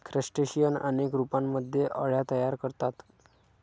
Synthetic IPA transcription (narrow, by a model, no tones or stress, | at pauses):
kʰɾəsʈeɕijənə̰nekɾupamːəd̪ʱjeʔəɭjat̪əjaɾkəɾt̪at̪